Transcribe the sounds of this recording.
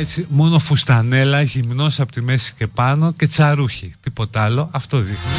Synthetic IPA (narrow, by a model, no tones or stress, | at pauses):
et͡simo̞no̞fust̪ɐne̞lɐʝimno̞sɐpot̪ime̞si̥ce̞pɐno̞ce̞t͡sɐɾuçit̪ipo̞t̪ɐlo̞ʔɐft̪o̞ðixni